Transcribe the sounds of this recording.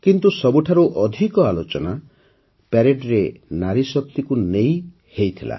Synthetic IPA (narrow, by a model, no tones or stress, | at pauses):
kint̪usɔbuʈʰaɾuʔɔd̪ʱikɔalot͡ʃɔna | peɾeɖɾenaɾisɔk̚t̪ikunej | hejt̪ʰila̰